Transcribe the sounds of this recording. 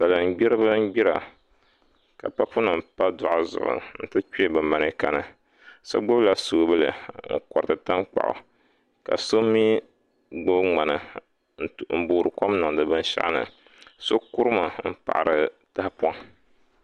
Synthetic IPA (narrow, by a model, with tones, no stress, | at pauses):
sa˨lɨ˨m˨ɡ͡bi˦ɾɨ˦bɨ˦m̩˦ɡ͡bi˦ɾa˨ | ka˨pa˦pu˦nɨ˨mpa˦dʊ˨ʔa˨zʊ̰˨ʔʊ̰˨n̩˨tɨ˦t͡ʃi˦e˦bɨ˨ma˨nɨ˦ka̰˨nɨ˨ | so̰˦ɡ͡bo˦bla˨su˨˦bɨ˦lɨ̰˨ŋ̩̰˦kɔ˨ɾɨ˨tɨ˨ta˦mk͡pa̰˨ʔʊ̰˨ | ka̰˨so˦mi˦ | ɡ͡bo˦bŋ͡ma˨nɨ˨ | m̩˨bo˨ɾɨ˨ko˦mnɨ˨ŋ˨dɨ˨bɨ˦n˦ʃa̰˦ʔnɨ̰˨ | so˦ku˦ɾɨ˦ma˨m̩˦pa̰˨ʔɾɨ˨ta˦hpu˦a˦ŋ